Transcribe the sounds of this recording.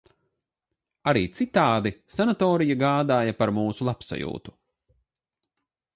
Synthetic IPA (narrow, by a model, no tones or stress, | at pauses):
aɾiːt̪sit̪aːd̪isanat̪ɔːɾijaɡaːd̪aːjapaɾmuːsulˠapsa̰jṵːt̪u̥